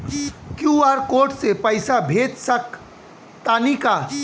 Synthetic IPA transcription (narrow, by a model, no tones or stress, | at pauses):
kjuaːɾkoːʈsepəɪsabʱeːt̪sək | t̪aːnika